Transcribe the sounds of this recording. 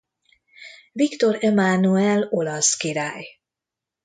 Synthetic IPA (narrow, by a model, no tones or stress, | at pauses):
vikt̪oɾɛmanuɛlolɒskiɾaːj